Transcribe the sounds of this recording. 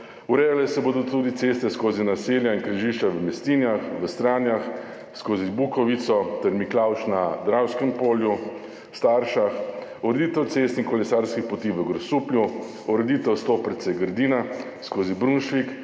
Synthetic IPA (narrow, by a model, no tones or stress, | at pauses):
uɾɛːjalɛsɛboːd̪ɔt̪ud̪it̪seːst̪ɛskoːzinaseːljaiŋkɾəʒiʃt͡ʃaʋəmɛst̪iːnjaxʋəst̪ɾaːnjax | skoːzibukɔʋit̪sɔt̪ɛɾmiklawʃnad̪ɾawskɛmpoːlju | st̪aɾʃaxɔɾɛd̪it̪ɛwt̪seːst̪iŋkɔlɛsaːɾskixpɔt̪iʋəɡɾɔsuːplʲju | ɔɾɛd̪it̪ɛwst̪oːpəɾt̪sɛɡəɾd̪iːna | skoːzibɾunʃʋik